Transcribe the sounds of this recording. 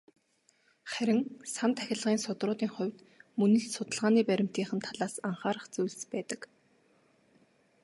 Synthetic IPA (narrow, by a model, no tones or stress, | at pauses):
χæɾʲɪ̆ŋsant̪ʰæxʲɪ̆ɮʁiːnsʊt̪rʊːt̪iːŋχʊ̟wʲt̪ | mɵnɘ̆ɮsʊt̪ə̆ɮʁaːniːpæɾʲɪ̆m̥t̪iːŋχə̆nt̪ʰaɮaːsaɴχaːɾə̆χt͡sujɮspæːt̪ə̆k